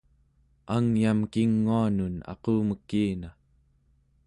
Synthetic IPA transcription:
aŋjamkiŋːuanunɑ̰quːməkːiːna

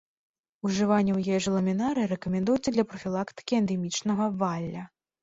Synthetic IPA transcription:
uʐɨvanʲːɛwjɛjɛʐɐlˠɐmʲinaɾɨiɾɛkɐmʲɛnd̪ujɛt̪sʲːɐd̪lʲɐpɾɐfʲilˠakt̪ɨ̥kʲiɛnd̪ɛmʲit͡ʂnɐɣɐvalʲːɐ

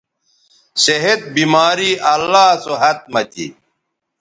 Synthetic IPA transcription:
seɦed̪̚bimaːɾiːʔɐlːaːsoɦɐt̪̚mɐt̪ḭ

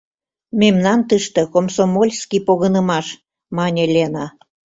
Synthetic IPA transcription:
mʲemnɑnt̪əʃt̪ə̆komsomolʲskipoɣɤnəmɑʃ | mɑnʲelʲenɑ

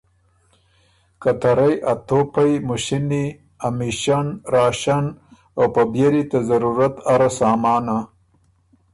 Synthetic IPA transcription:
kat̪aɾajʔat̪opajmuʃini | amiʃanɾɑːʃan | awpabjeɾit̪azaɾuɾat̪aɾasaːmɑːna

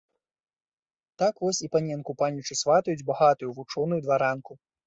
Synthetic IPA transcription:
t̪akvɔsʲipanʲɛnkupanʲːut͡ʂɨsvat̪ɐjud͡zʲbaɣat̪ujuvut͡ʂɔnujud̪vaɾanku

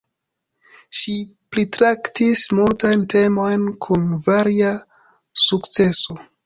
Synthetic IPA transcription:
ʃiplitɾaktismultajnte̞mo̞jnkʰunvaɾia | sukt͡se̞so̞

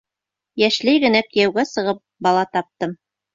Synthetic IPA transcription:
jæʃlæjɡɘ̆nækɘ̆jæwɡæsɤ̆ʁɤp̚bɑlˠɑt̪ɑp̚t̪ɤm

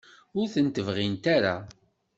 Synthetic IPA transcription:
ʊɾθənt̪əvʁint̪aɾa̰

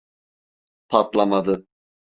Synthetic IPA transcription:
pʰat̪lˠamad̪ɯ

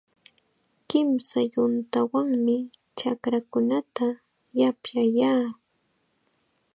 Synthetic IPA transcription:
kɪmsajʊnt̪awaŋmɪ | t͡ʃakɾakʊnat̪a | japjajaː

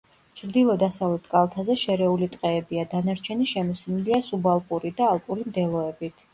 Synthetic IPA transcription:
t͡ʃʰɾd̪ilˠɔd̪asavlɛt̪ʰkʼalˠt̪ʰazɛʃɛɾɛulit̪ʼqʼɛːbiad̪anaɾt͡ʃʰɛniʃɛmɔsniliasubalˠpʼuɾid̪aːlˠpʼuɾimd̪ɛlˠɔɛbit̪ʰ

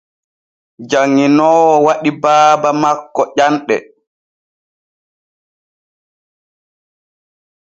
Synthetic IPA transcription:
d͡ʒaŋːinɔːwɔwaɗibaːbamakːɔʔanɗɛ̰

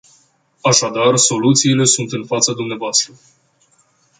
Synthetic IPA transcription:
aʃad̪arso̞lut̪siːle̞sunt̪ɨnfat̪səd̪umneavoast̪ɾə

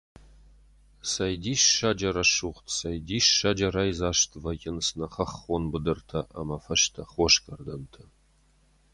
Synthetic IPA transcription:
sɐjd̪iːʃːad͡ʒɐɾɐʃuːχt̪ʰsɐjd̪iːʃːɐd͡ʒɐɾɐjzaːʃt̪ʰvɐjɪnsnɐχɐχonbɨd̪ɨrtʰɐʔɐ̰mɐfɐʃt̪ʰɐχʷoʃkʰɐrd̪ɐnt̪ʰɐ

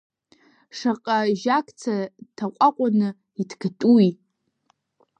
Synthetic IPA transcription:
ʂaqʼaʒakʰʼt͡sʰatʰaqʷʼaqʷʼanɨ | itʰɡatʼui

